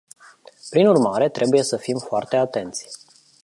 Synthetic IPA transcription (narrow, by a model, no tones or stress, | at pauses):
pɾinurmaɾe̞t̪ɾe̞buje̞səfimfoart̪e̞at̪e̞nt̪sʲ